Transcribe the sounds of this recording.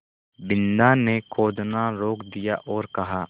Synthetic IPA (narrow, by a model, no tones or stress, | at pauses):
bɪ̃nd̪anekʰoːd̪naɾoːkʰd̪ijaʔɔːɾkɐɦaː